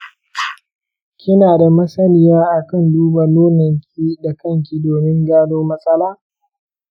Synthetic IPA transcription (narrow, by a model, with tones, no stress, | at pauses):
kʲɪ˦naː˨da˨mɐ˦sɐ˦lɪ˦˨jaː˦ʔa˨kɐ˦˨nduː˦ba˨noː˦nɐ˨ŋkʲiː˦da˨kɐ˦˨ŋkʲi˨doː˨mɪ˦ŋɡaː˦doː˦mɐ˦sʼɐ˦laː˦